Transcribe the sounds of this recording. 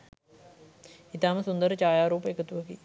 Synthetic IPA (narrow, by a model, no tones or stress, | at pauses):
it̪aːməsund̪əɾət͡ʃaːjaːɾuːpəekət̪uʋəki